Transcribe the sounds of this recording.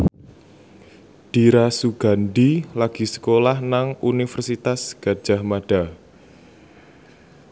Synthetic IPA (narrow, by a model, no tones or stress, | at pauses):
d̥iɾasuɡ̥a̤ndilaɡ̥i̤sə̥kolahnaŋunifərsit̪asɡ̥a̤d̥ʒ̥a̤hmaɖ̥a